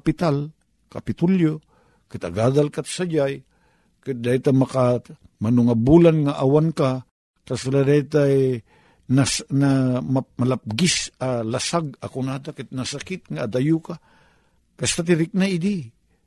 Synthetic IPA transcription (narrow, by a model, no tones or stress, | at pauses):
pɪt̪al | kapɪt̪uljo | kɪt̪a̰ɡad̪alkat̪sad͡ʒaj | kɪt̪̚d̪ajt̪amaka | manuŋabulanŋaʔawanka | kasɪlad̪ajt̪a | nasnammalap̚ɡɪsalasaɡ̚akunad̪akɪt̪̚nasakɪt̪̚ŋaːd̪ajuka | kast̪at̪ɪɾɪk̚naid̪i